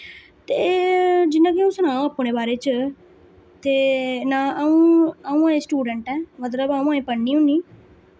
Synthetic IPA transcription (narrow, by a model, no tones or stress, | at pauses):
t̪eːd͡ʒɪnãːkɪũːsʊnaːõːəpɽ̃eːbaːɾeːt͡ʃ | t̪eːnaːʔəːũːaːũːãːẽːsʈuːɖəɳʈɛ̃ːmət̪̬ləbaːũːaːẽːpəɳːiːɦʊ̃nd̪iː